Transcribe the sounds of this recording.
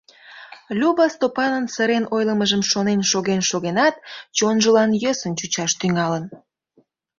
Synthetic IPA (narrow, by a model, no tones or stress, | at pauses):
lʲuβɑst̪opɑnənsəɾenʔojləməʒəmʃonenʃoɣenʃoɣenɑt̪t͡ɕonʒəlɑnjøsənt͡ɕut͡ɕɑʃt̪yŋɑlən